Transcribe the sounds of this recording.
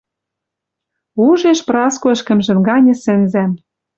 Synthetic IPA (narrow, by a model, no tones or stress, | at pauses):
uʒeʃprɑskoɘ̆ʃkɘ̆mʒɘ̆mɡɑnʲɤ̆sɘ̆nzæm